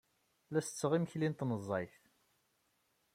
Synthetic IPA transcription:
læsə̥t͡sːəʁiməçlint̪nəzˤːɑjθ

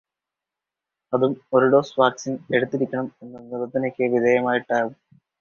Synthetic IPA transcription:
ɐðumo̞ɾuɖo̞ːsʋaːksine̞ɽut̪ːiɾikʲːɐɳɐme̞nːunːiðɐt̪ːɐnokʲːɨʋid̪ʱejɐmaːjiʈːaːɣum

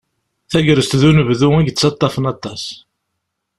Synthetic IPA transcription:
θæʝəɾəst̪ðunəvðuæʝət͡sːɑt̪ˤːɑfənɑt̪ːɑs

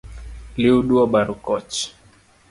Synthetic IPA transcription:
liuɗuɔɓaɾukɔt͡ʃ

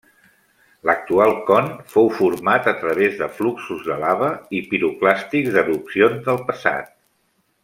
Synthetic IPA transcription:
lək̚t̪ualˠkɔnfowfuɾmat̪ət̪ɾəβ̞ezðəfluksuzðəlaβəipiɾuklast̪ikzd̪əðupsionzðəlˠpəsa̰t̪̚

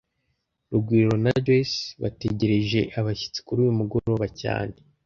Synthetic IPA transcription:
ɾuɡwiːɾo̞nadesβa̰te̞ɟe̞ɾe̞ʒe̞ʔaβaçi̥t͡se̥kuɾuːjumuɡoɾoβaca̰ːne

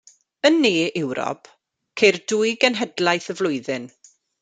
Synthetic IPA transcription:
ənːeːɪwɾɔ̰pʰ | kʰejrduːjɡənɦɛdlˠajθəvlˠʊɨðɪn

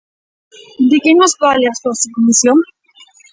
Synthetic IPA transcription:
d̪ekenozbaleasoasukomisjon

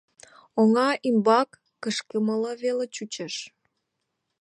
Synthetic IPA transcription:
oŋɑʔimbɑkːəʃkəmələβelet͡ɕut͡ɕeʃ

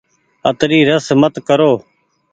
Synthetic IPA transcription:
ət̪ɾiːɾəsmət̪kəɾoː

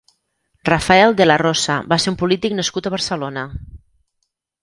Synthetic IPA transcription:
rafaɛlˠd̪ələrosəβaseumpulit̪iknəskut̪əβəɾsəlonə

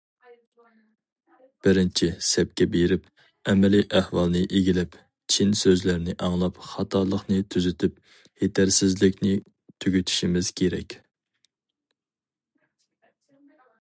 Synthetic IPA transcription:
b̥ɪɾɪnt͡ʃʰisɛp̚kʲɛbeɾɪp | ɛmɛliʔæhwɑlˠnɨʔeɡʲilɛp | t͡ʃʰinsøzlæɾnɪʔɑŋlˠɑpχɑt̪ʰɑɾlˠəχnɨt̪ʰyzyt̪ʰɪp̚ | het̪ʰæɾsɪzlɪkʲnɪ | t̪ʰyɡʲyt̪ʰy̥ʃimɪz̥kʲʰeɾɛ̰kʲ

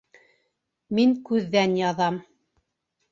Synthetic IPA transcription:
miŋkʉðːænjɑðɑm

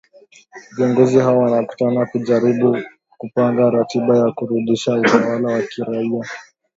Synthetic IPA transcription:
viɔŋɡɔzihawɔwanaku̥tanakuʄaɾiɓu | kupaŋɡaɾatiɓajakuɾuɗiʃautawalawakiɾaia

